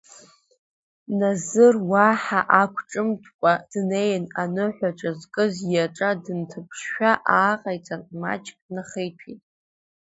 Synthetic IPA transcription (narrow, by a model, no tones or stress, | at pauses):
nazɨrwaħaʔakʷʰʼʈ͡ʂʼɨmtʰkʷʼad̥nejnanɨħʷᶣaʈ͡ʂʼazkʼɨzjaʈ͡ʂʼadɨntʰɨpʰʂʃᶣaʔaːqʼajt͡sʼanma̰t͡ʃʼkʼnaχejtʰitʼ